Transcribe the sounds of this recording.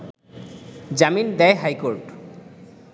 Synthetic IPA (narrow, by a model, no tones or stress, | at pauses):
zamind̪ɛjɦajkoɹʈ